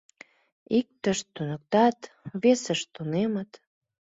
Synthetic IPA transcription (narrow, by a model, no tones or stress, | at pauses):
ik̚t̪əʃt̪ːunək̚t̪ɑt̪ | βesəʃt̪unemət̪